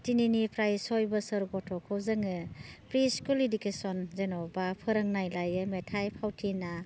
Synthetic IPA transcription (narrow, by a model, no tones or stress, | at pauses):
tininipɾajsɔjbɐsɐɾɡɔtʰɔkʰɯwzɐŋɯpɾiskuledikesɔnzenɔbapʰɯɾɐŋnajlajɯmetʰajpʰawtʰina